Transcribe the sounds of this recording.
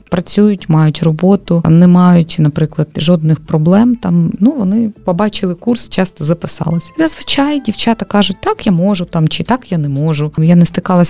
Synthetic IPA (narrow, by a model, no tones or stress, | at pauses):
pɾɐt͡sʲujʊtʲmɑjʊtʲrɔbɔt̪ʊnɛmɑjʊtʲnɐpɾɪklˠɐd̪ʒɔd̪nɪxpɾɔblˠɛmt̪ɑmnuʋɔnɪpɔbɑt͡ʃɪlˠɪkurst͡ʃɑst̪ɔzɐpɪsɑ̰lˠɪsʲɐ̥zɐzʋɪt͡ʃajdʲiwt͡ʃɑt̪ɐkɑʒʊt̚ʲt̪ɑkjamɔʒʊt̪ɑmt͡ʃɪt̪ɑkjanɛmɔʒʊjanɛst̪ɪkɑlˠɐsʲ